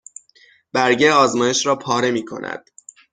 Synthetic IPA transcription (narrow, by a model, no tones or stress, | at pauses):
b̥æɾɟeɒːzmɒːje̞ʃɾɒːpʰɒːɾe̞miːkʰo̞̰nʔæ̰d̪̥̚